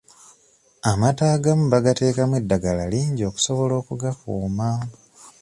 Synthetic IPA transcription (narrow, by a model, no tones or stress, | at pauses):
amataːɡamuβaɡate̞ːkamwedːaɡalaliːɲɟo̞ːku̥so̞βo̞lo̞ːkuɡakuːma